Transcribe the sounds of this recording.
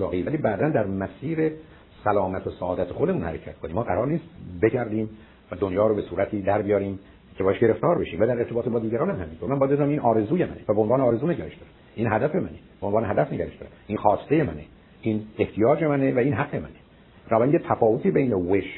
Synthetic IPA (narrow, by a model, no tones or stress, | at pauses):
ɒ̰ːɣivæliːbæːd̪ænd̪æɾmæsiːɾe | sælɒːmæt̪ʰosæɒːd̪æt̪ʰexo̞d̪e̞munhæ̰ɾecʰæ̰t̪̚kʰoniːmːɒːɡæɾɒːɾniːst̪beɟæɾd̪iːm | væd̪onjɒːɾobe̞suːɾæt̪ʰiːd̪æɾbijɒːɾiːm | cʰeɒːjæʃɟe̞ɾe̞ft̪ɒːɾbe̞ʃiːmvæd̪æɾe̞ɾt̪ʰebɒːt̪e̞bɒːd̪iːɟæɾɒːnæmhæmint̪oɾmænmbɒjæd̪ed̪uːɾæmiːnʔɒːɾe̞zuːjemæ̰nevæbeonvɑːneːɾe̞zuːneɟæɾeʃd̪̥ɒːɾæ̥ʔiːnɦæd̪æfe̞mæneb̥eonvɑːneɦæd̪æfneɟæɾeʃd̪ɑːɾæ̰d̪ʔinxɒːst̪e̞jemæne | ine̞ht̪ʰijɒːd͡ʒe̞mænevæiːnɦæɡːe̞mæ̰ne | b̥enɒːbæɾinjet̪ʰæfɒːvot̪ʰiːbejneweʃ